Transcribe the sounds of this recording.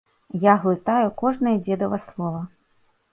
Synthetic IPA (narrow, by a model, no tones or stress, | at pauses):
jaɣlˠɨt̪ajukɔʐnɐjɐd͡zʲɛd̪ɐvɐslˠɔvɐ